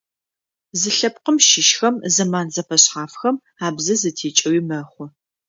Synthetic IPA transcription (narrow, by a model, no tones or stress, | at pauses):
zɨɬɐp̚qəmʃɪʃxɐmzɐmaːnzɐfɐɕχaːfxɐm | aːbzɐzɐtʰeːt͡ʃʼɐwiːmɐχʷʊ